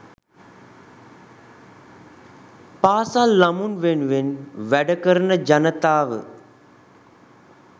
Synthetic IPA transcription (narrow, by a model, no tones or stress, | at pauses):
paːsalːamunʋenuʋenʋæɖəkəɾənəd͡ʒanət̪aːʋə̰